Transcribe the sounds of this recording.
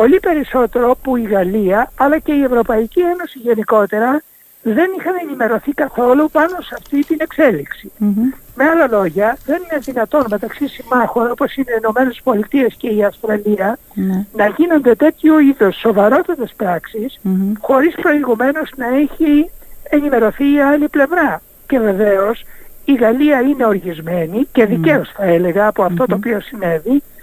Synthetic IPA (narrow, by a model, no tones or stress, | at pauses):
po̞lipe̞ɾiso̞t̪e̞ɾopuiɣɐliɐɐlɐce̞ievɾo̞pɐicie̞no̞siʝe̞niko̞t̪e̞ɾɐ | ðe̞nixɐnenime̞ɾo̞θikɐθo̞lupɐno̞sɐft̪it̪ine̞kse̞liksime̞ɐlɐlo̞ʝɐðe̞nineðinɐt̪o̞nme̞t̪ɐksisimɐxo̞no̞po̞sine̞ino̞me̞ne̞spo̞lit̪ie̞sce̞iɐfst̪ɾɐliɐ | nɐʝino̞nd̪e̞t̪e̞t̪çuiðo̞sːovɐɾo̞t̪ɐt̪espɾɐksisxo̞ɾispɾo̞iɣume̞no̞znɐe̞çie̞nime̞ɾo̞θiɐliple̞vɾɐ | ce̞ve̞ve̞o̞siɣɐliɐine̞o̞ɾʝizme̞nice̞ðiceosθɐe̞le̞ɣɐːpoɐft̪o̞t̪opio̞sine̞vi